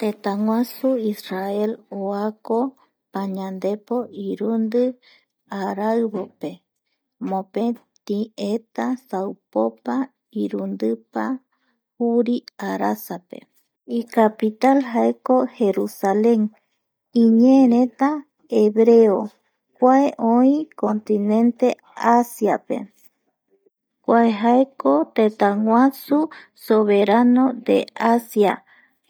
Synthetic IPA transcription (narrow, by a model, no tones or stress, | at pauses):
t̪et̪aŋʷãsuisrae̞loako | paɲãnd̪e̞po̞ʔiɾund̪ɨ | aɾaɨβope̞ | mõpet̪iet̪asawpopa | iɾund̪ɨpa | huɾiaɾasape̞̰ | ikapit̪alɦaeko̞he̞ɾusalẽ̞ŋ | ĩɲeɾẽ̞t̪a | eβɾeo | kʷaeʔõĩko̞nt̪inẽ̞nt̪e̞ | asjape̞̰ | kʷaeɦaeko̞t̪et̪aŋwʷãsusoβeɾanõ̞d̪ḛʔasja